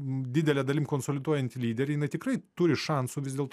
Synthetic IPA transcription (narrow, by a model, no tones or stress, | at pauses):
d̪ʲɪd̪ʲɛlʲɛd̪ɐlʲimkoːnsoːlʲɪd̪uɔjɛnʲt̪ʲɪlʲiːd̪ʲɛɾʲɛɪjɪnɐɪt̪ʲɪkɾɐɪt̪ʊɾʲɪʃɑnsʊʋʲɪzdʲeːlˠt̪